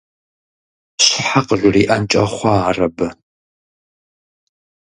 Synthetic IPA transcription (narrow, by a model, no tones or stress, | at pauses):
ɕħaqəʒʷʊriːʔɐnt͡ʃʼɐχʷɑaːrɐbɨ